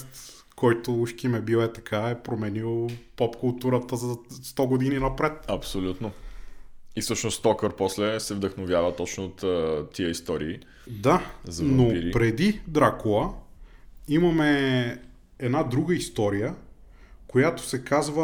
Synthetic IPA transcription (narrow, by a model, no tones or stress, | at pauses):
t̪ | kɔjt̪ouʃkimɛbiwɛt̪ɐkʰaɛpɾomɛnilˠpɔpkʊlˠt̪uɾət̪əzɐst̪ɔɡod̪ininɐpɾɛt̪ɐpsolʲut̪no | ifsɤʃnost̪t̪ɔkəɾpɔslɛsɛvd̪əxnovjavət̪ːɔt͡ʃnoot̪ːt̪ːiəist̪ɔɾḭː | d̪azɐnoiɾipɾɛd̪id̪ɾakolˠə | imɐmɛ | ɛd̪nad̪ɾuɡəist̪ɔɾijə | kojat̪o̥sɛkazvə